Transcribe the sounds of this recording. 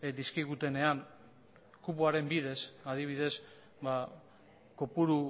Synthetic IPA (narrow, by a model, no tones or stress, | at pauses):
d̪iskiɣut̪e̞ne̞an | kupuaɾe̞mbið̞e̞sað̞iβ̞iðe̞s | ba | kopuɾu